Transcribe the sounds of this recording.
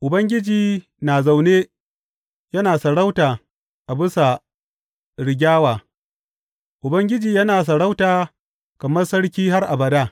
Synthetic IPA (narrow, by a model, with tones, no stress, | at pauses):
ʔʊ˨bɐ˦ŋɡʲɪ˦d͡ʒiː˨ | na˨za˨wneː˦ | jɐ˦naː˨sɐ˨ɽa˦wtaː˨ | ʔa˨bɪ˦sa˨ | ɽɪ˨ɡʲaː˦waː˨ | ʔʊ˨bɐ˦ŋɡʲɪ˦d͡ʒiː˨jɐ˦naː˨s̬ɐ˨ɽa˦wtaː˨ | kɐ˨mɐ˦rsɐ˦ɽkʲiː˦ɦa˦rʔa˨bɐ˨daː˦